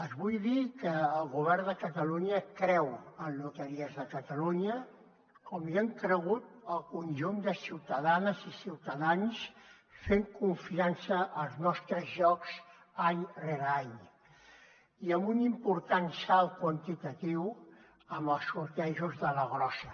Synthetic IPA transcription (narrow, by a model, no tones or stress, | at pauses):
əzβujðikəːlˠɣuβ̞ɛrnd̪əkət̪əluɲəkɾɛwənlut̪əɾiəzðəkət̪əluɲə | kɔmiəŋkɾəɣut̪̚əlˠkunʲʒund̪əsiwt̪əðanəzisiwt̪əðans | feŋkuɱfiansəʔːlˠznɔst̪ɾəzʒɔks | aɲreɾaɲ | iəmbunimpuɾt̪ansalˠkwənt̪it̪ət̪iw | əmbəlˠsuɾk̪ɛʒuzðələɣɾɔsə